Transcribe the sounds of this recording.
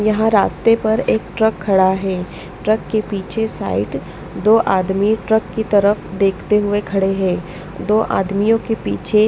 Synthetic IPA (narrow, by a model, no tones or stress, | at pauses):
jɐɦãɾaːst̪epɐɾeːkʈɾəkʰːɐɽaɦɛː | ʈɾəkːepiːt͡ʃʰesa̰ːɪʈ | d̪oːʔaːd̪miʈɾəkːit̪ɐɾəfd̪eːkʰt̪eɦʊekʰɐɽeɦɛː | d̪oːʔa̰ːd̪mijõkepḭːt͡ʃʰe